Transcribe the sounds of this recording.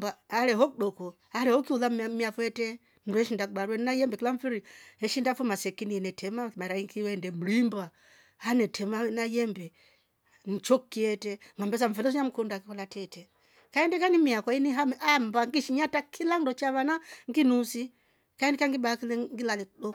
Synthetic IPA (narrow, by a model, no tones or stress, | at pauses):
baalɛɦɔkɗɔkɔ | alɛhɔkiuðammiafɔɛtɛ | ndɔɛʃindak̚baɾuwɛninajɛmbɛkilaɱfiɾiɛʃindafumasɛkiniɛnɛtʰɛmamaɛɾaiŋkiwɛndɛm̩limba | anɛtʰɛmanajɛmbɛ | n̩t͡ʃɔkkːiɛtɛŋambɛs̬aɱ̩fiɾis̬ɔɲam̩kundakikɔlatɛtɛ | kaɛndɛkanimiakainiɦamambaŋɡiʃiɲatakʰilandɔt͡ʃaβanaŋɡinusi | kaɛndikaŋɡibaakilɛŋɡilalɛkɗɔ